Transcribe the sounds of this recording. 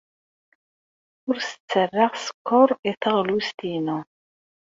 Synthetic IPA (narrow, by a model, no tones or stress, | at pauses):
ʊɾsə̥t͡sːərːɑʁsə̥kːʊɾˤiθəʁlust̪inu